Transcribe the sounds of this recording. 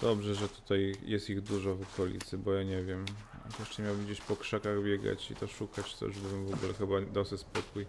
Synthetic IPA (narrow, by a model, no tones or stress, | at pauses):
d̪̥ɔbʐɛʐɛt̪u̥t̪ajjɛst̪iɣd̪uʐɔvɔkɔlʲḭt̪sɘbɔjaɲɛvʲjɛm | jɛʂt͡ʂɛmʲawbɘmd͡ʑeɕpɔkʂɛkaɣbʲjɛɡa̰t͡ɕḭt̪ɔʂukat͡ɕt̪ɔ̰jṵʐbɨwɘmvɔɡulɛxɘbaɲd̪awsɨspɔkuj